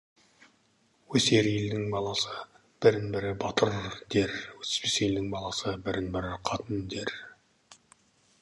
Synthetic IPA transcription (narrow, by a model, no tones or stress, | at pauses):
wɵse̞ɾjeld̪ɪŋbɑlˠɑsə | b̥ɪɾɪnbɪɾɪbɑt̪ʰəɾd̪e̞ɾwɵt̪ɪ̥spesjeld̪ɪŋbɑlˠɑsəbɪɾɪnbɪɾɪqʰɑt̪ənd̪e̞ɾ